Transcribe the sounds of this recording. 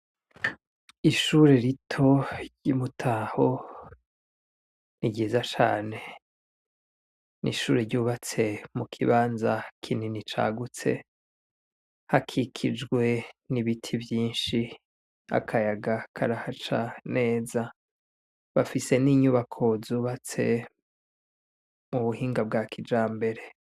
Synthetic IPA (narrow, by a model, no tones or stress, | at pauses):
iʃuɾeɾitʰo̞ɾɟimutʰaho | niɟiːzat͡ʃa̰ːne̞ | nḭʃuːɾeɾɟuːβat͡se̞mukʰiβaːnzakʰininit͡ʃa̰ɡut͡se̞̰ | hakʰikʰid͡ʒɡwe̞niβitʰivjiːnʃi | a̰kʰajaɡakʰaɾahat͡ʃane̞ːza | βafise̞niːɲuβakʰo̞zuːβat͡se̞ | muβuhiːŋɡab̚ɡaːkʰid͡ʒaːmbe̞ɾe̞